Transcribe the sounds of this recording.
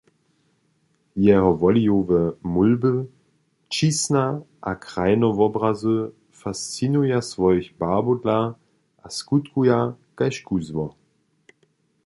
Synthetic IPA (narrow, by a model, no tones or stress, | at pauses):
jɛɦɔvɔlijovəmulbə | t͡ʃisnaʔakʁ̥aɪnɔvɔbʁazə | fast͡sinujasvɔjçbaːbodla | ʔaskutkujakaɪʃkuzmɔ